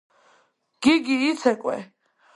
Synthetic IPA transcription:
ɡ̥iɡiːsʰɛkʼwɛ̰

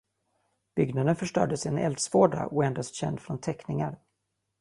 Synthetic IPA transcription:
b̥ʏɡnad̪ənfœʂʈœ̰ːɖəsɪɛnɛ̰ld̪svoːɖa̰ʔɔɛnd̪ast̪ɕɛ̰nd̪fɾɔnt̪ʰɛknɪŋaɾ

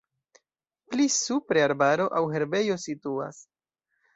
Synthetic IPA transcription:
plisupɾeaɾbaɾo̞ʔawɦe̞ɾbe̞jo̞situa̰s

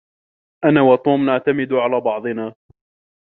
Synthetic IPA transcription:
ʔanaːwɑt̪ˤuːmnaʕt̪amɪd̪ʕalaːbɑʕd̪ˤɨnaː

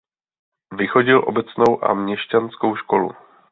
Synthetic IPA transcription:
vɪxo̞ɟɪlʔo̞bɛt͡sno̞wʔa̰mɲɛʃcansko̞wʃko̞lṵ

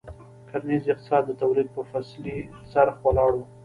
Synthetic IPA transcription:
kʰaɾnizɪq̚t̪ɪ̥sɑd̪ːət̪awlid̪̚pəfasli | saɾxwalɑɽu

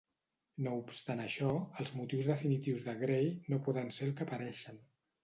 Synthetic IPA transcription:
noupst̪anəʃɔəlˠzmut̪iwzðəfinit̪iwzðəɣɾejnopɔðənselˠkəpəɾɛʃən

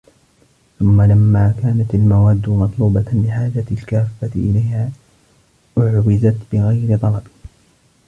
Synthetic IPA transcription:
θʊmːalamːaːkaːnat̪almawaːd̪ːʊmɑt̪ˤluːbɑlɪħaːd͡ʒat̪ɪlkaːfːat̪ɪʔɪlajhaː | ʔʊʕwɪzat̪bɪɣajɾɪt̪ˤɑlɑbɪ

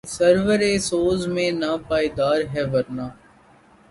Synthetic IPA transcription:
səɾʋəɾeːsoːzmẽːnaːpaːid̪aːɾɦɛːʋɐɾnaː

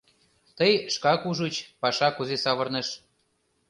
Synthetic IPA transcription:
t̪əjʃkɑkuʒut͡ɕpɑʃɑkuzesɑβɤ̆rneʃ

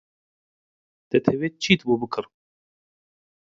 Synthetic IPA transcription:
d̪̥ɛt̪ʰɛveːt͡ʃʰiːt̪bubɨkʰɨɾ

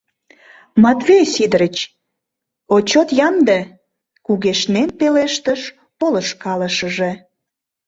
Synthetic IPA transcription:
mɑt̪vejsid̪əɾət͡ɕ | ot͡ɕot̪jɑmd̪e | kuɣeʃnenpeleʃt̪əʃ | poləʃkɑləʃəʒe

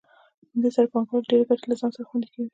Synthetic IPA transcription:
amd̪esaɾapɑŋkolɖeɾaɡaʈalazɑnsaɾaxwand̪ikawi

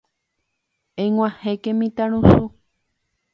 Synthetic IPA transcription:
ẽŋwʷãhẽkẽmĩt̪aɾ̃ũsu

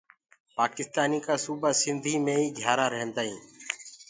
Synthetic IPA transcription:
paːkɪst̪aːniːkaːsuːbaːsɪnd̪ʱiːmẽːiːɡʱjaːɾaːɾəɦə̃nd̪aːɦĩː

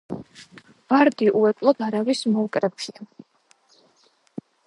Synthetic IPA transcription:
v̥aɾd̪iʔuɛkʼlˠɔd̪̥aɾavismɔkʼɾɛpʰʃia

